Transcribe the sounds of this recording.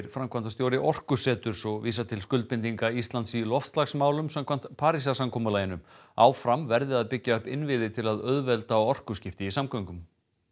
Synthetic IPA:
ɾfɾamkʰvant̪ast̪jowɾɪʔɔr̥kʏsɛːt̪ʏɾ̥sɔɣviːsat̪ʰɪlskʏlt̪̚pɪnt̪iŋkaist̪lant̪silɔft̪st̪laxsmaːwlʏmsamkʰvam̥t̪pʰaːɾisasamkʰɔːmalaːjɪnʏm | aːwfɾamvɛɾðɪaðpɪcːaœhpɪnvɪðɪt̪ʰɪlaðœðvɛlt̪aɔɔr̥kʏscɪft̪ɪisamkʰœŋkʏm

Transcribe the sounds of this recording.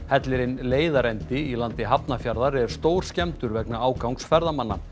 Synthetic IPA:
hɛt̪lɪɾɪnleːjðaɾɛnt̪ɪilant̪ɪɦapnafjaɾðaɾɛɾ̥st̪oːwɾ̥scɛmt̪ʏɾvɛknaaːwkawŋksfɛɾðamanːa̰

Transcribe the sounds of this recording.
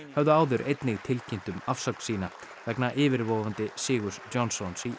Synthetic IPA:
hœvðʏaːwðʏɾʔejt̪nɪɣt̪ʰɪlcʰɪn̥t̪ʏmafsakn̥siːna | vɛknaʔɪːvɪɾvɔːwvant̪ɪsɪːɣʏsd͡ʒɔnsɔnsi

